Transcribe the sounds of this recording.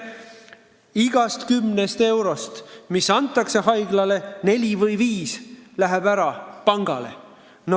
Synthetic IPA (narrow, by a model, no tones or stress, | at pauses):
iɡ̥ɑst̪kymnest̪e̞wɾo̞st̪misɑnt̪ˑːɑkse̞ɦɑjɡlɑle̞ne̞lʲivɤjviːslæɦeb̥æɾɑpɑŋɡ̥ɑle̞̰ | n